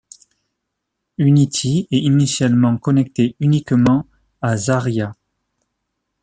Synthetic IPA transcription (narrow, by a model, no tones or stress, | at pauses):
ynit̪ʰiɛinisjalmɑ̃kɔnɛk̚t̪eynikmɑ̃ | azaʁja